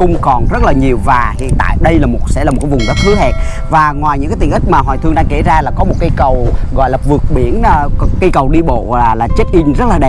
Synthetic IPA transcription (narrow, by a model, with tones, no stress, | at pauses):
kʊ̰˧wŋ͡mkɔ˨˩nzə˦˥t̚laː˨˩ɲi˨˩əwvaː˨˩hḭ˧˨ənt̪a̰ː˧˨jɗə˧jlaː˨˩mo˨˩t̚sɛ̰˧˥aː˨˩m̚˨˩kːaː˨˦vʊ˨˩ŋ͡mɗɔ˨˦˥t̪̚ʰɨ˨˦hɛ˨˩t̚ | vaː˨˩ŋwaː˨˩jɲɨ̰˧˥kaː˨˦t̪ï˨˩ŋʔï˦˥k̟̚maː˨˩ɦɔ˨˩jt̪ʰɨ˧əŋnɗa˧ŋke˧˩zaː˧laː˨˩kɔ˨˦mo˨˩t̚ka˧jkə˨˩wɣɔ̰˧˨jlaː˨˩vɨ˨˩ək̚ɓi˧˩ənː˧kə˧jkə˨˩wɗi˧ɓo̰˧˨laː˨˩laː˨˩t͡ɕe˦˥t̚ʔï˧ŋ̟zə˦˥laː˨˩ɗɛ˨˩